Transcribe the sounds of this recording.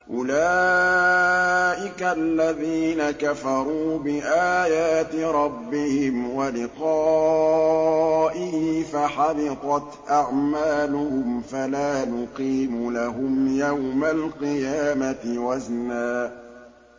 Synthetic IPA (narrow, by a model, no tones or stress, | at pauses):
ʔʊlaː | ʔɪkalːaðiːnakafɑɾˤuːbɪʔaːjaːt̪ɪɾˤɑbːɪhɪmwalɪqɑː | ʔɪhifaħalɪq̪ˤɑt̪ʔaʕmaːlʊhʊmfalaːnʊqiːmʊlaɦʊmjawmalqɨjaːmat̪ɪwaznaːʔ